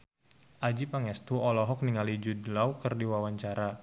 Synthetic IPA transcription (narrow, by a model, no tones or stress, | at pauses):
ʔad͡ʒipaŋɛst̪uɔlɔɦɔk̚niŋalid͡ʒudlawkɨrdiwawaɲt͡ʃaɾa